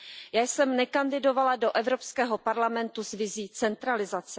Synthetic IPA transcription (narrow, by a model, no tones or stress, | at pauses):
jaːjsɛmnɛkandɪdo̞valadoʔɛvɾo̞pskɛːɦopaɾlamɛnt̪uzvɪziːt͡sɛnt̪ɾalɪzat͡sɛ